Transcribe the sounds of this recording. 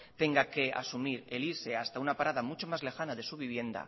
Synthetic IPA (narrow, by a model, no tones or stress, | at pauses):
t̪e̞ŋɡake̞a̰sumiɾeliɾse̞ast̪aunapaɾað̞amut͡ʃo̞mazle̞xanaðe̞suβ̞iβ̞je̞nd̪a̰